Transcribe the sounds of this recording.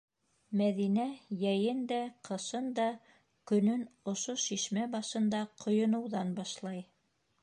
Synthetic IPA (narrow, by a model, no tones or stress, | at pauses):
mæðinæjæjɘnd̪æqʰɤ̆ʃɤnd̪ɑ | kɵ̆nɵnŏʃoʃiʃmæbɑʃɤ̆nd̪ɑqʰŏjŏnɤ̆wðɑnbɑʃlˠɑj